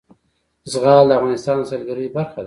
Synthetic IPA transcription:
zɣɑld̪əafɣɑnɪst̪ɑnd̪əsalɡaɾəjbaɾxad̪a

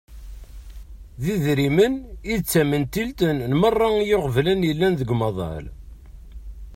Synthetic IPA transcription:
ðiðɾiməniðt͡sːæmənt̪ilt̪ənnmərˤːɑjoʁvlænjəlːænðəɡmɑðˤɑ̰l

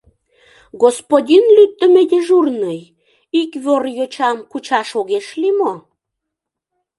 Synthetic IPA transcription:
ɣospodʲinlyt̪ːə̆med̪eʒurnəj | ikβorjot͡ɕɑmkut͡ɕɑʃoɣeʃlimo

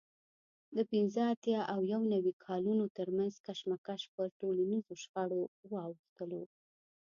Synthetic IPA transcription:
d̪əpɪnzəat̪jɑʔawjawnawikʰɑlunot̪əɾmanzkaʃmakaʃpəɾʈolanizoʃxaɽowɑwəxt̪əlo

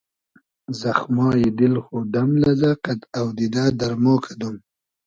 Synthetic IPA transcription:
zaxmɑːjid̪ɪlxod̪amlazaqad̪awd̪id̪ad̪aɾmoːkʰad̪um

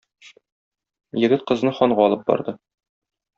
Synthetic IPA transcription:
jɘ̆ɡɘt̪̚qɤ̆znɤχɒɴɢɑɒlˠɤp̚bɒ̰ɾd̪ɤ

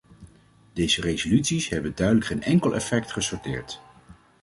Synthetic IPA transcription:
dejzərejzolytsisɦɛbəndœɥdələkχejnɛŋkəlˠʔɛ̰fɛk̚tχəsɔɹtɪːɹt

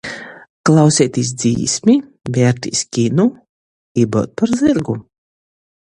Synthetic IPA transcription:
klˠawsʲɛːt̪ʲis̬d̪zḭːsmʲi | vʲɛːɾt̪ʲḭsʲkʲinu | ibɔ̰t̪̚paɾziɾɡu

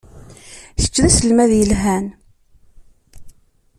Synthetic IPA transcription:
θə̥t͡ʃːðæsəlmæðjəlɦæn

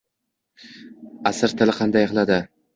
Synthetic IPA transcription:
asɪɾt̪ʰɪlɪqʰɑnd̪ajqlˠad̪ɪ

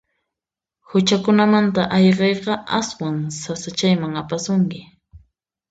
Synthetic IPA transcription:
hʊt͡ʃakʊnamant̪aʔɑjɢɑjqɑaswaŋsasat͡ʃajmaŋapasʊŋkɪ

